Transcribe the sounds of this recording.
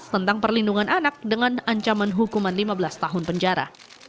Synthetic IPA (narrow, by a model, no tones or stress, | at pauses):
t̪ənt̪aŋpərlinduŋanʔanak̚dəŋanaɲt͡ʃamanɦukumanlimabəlast̪aɦʊnpəɲd͡ʒaɾa̰